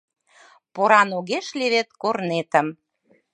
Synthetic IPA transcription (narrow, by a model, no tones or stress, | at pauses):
poɾɑnoɣeʃleβet̪̚kornet̪ə̆m